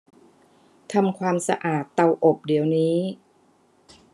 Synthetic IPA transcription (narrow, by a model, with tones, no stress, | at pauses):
t̪ʰa˧mkʰwaː˧msa̰˧ʔaː˨˩t̪ːa˧wʔo˨˩p̚di˩˦əwniː˦˥